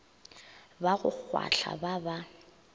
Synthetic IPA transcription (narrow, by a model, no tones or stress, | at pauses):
baɣʊk͡xwaɬʰa̰baba